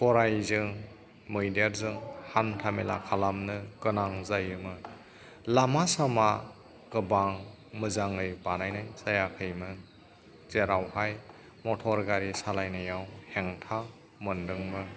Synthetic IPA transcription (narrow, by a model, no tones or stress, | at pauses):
pɔɾajzɯŋ | mɯjdaɾzɯŋhantʰamela̰kʰalamnɯkɯnaŋzajɯmɯ | lamasama | kɯbaŋ | mɯzaŋɯjbanajnajsajakʰɯjmɯ | zeɾawhaj | mɔtʰɔɾɡaɾisalajnajawheŋtʰa | mɯndɯŋmɯ